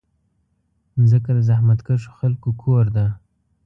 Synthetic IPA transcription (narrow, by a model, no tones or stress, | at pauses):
zəkad̪əzahmat̪kəʂo̥xalkokʰoɾd̪a